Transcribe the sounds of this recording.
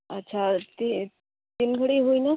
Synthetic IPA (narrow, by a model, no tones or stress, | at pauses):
ətːɕʰat̪i | t̪inkəɽiːɦoina